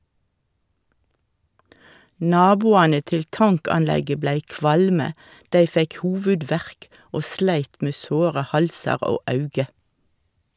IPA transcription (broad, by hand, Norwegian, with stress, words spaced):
ˈnɑːbuːɑnə ˈtɪl ˈtɑŋkɑnˌlɛɡə ˈblæɪ ˈkʋɑlmə ˈdæɪ ˈfɛk ˈhuːʋʉˌdʋæʁk ˈoː ˈslæɪt ˈmeː ˈsoːʁə ˈhɑlsɑʁ ˈoː ˈɑʉɡə